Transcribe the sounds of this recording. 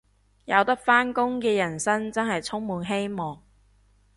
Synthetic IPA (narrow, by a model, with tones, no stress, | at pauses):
jɐ˨˧wt̪ɐ˥k̚faː˥nkʊ˥ŋkɛː˧jɐ˨˩nsɐ˥nt͡sɐ˥nɦɐ˨jt͡sʰʊ˥ŋmuː˨˧nɦe˥jmɔː˨˩ŋ